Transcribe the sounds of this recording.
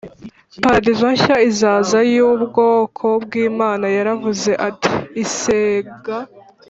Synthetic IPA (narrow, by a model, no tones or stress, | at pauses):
paɾadizwaɲçaizaːzajuːbɡo̞ːkʰo̞bɡiːmaːnajaɾavuze̞ʔati̥ːseɡa